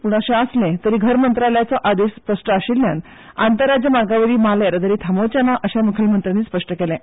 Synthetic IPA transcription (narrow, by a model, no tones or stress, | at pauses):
puːɳəɕẽəslẽt̪əɾiːɡʱəɾmənt̪ɾaljat͡saʔad̪ispəʂʈəaɕiljan | a̰nt̪əɾːad͡ʑjəmaɡaʋəɾiːmaljaɾd̪əɾiːt̪ʰamot͡ɕjanaʔəɕaməkʰəlmənt̪ɾañiːspəʂʈəkelɛ̃